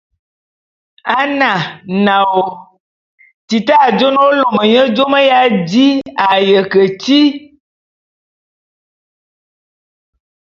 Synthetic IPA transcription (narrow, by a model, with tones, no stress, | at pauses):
a˦nã˨na˨wo˨ | ti˨ta˦˨d͡ʒo˦no˦lo˨mə˨ɲə˦d͡ʒo˦mə˦ja˦di˦a˨jə˨kə˨ti˦